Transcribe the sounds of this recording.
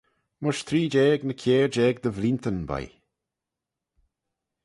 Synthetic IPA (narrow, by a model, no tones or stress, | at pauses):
mʊʃt̪ʰɾiːd͡ʒɛːɡnəkʰeːɹd͡ʒɛːɡd̪əvlint̪ənba̰j